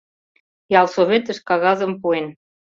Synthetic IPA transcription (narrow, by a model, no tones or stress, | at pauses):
jɑlˠsoβet̪ə̆ʃkɑɣɑzə̆mpuen